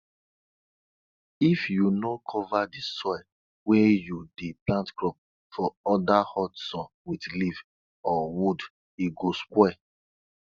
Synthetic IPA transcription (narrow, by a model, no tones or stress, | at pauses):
ifjunɔkʰɔvadisɔɪl | wɛjudeplãntkɹɔp̚ | fɔɔdahɔtsɔ̃n | widliv | ɔwud | iɡoskwɛ